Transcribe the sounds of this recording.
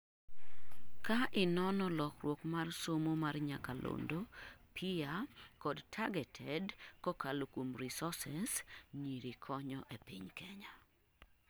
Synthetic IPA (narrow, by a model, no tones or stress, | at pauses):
kaʔɪnɔnɔlɔkrwokmarsomomarɲakalo̰ndopʰiakɔdtʰaɡɛtʰɛdkɔkalokomrisɔsɛsɲiɾikʰɔɲɔʔepɪ̰ɲkʰɛɲa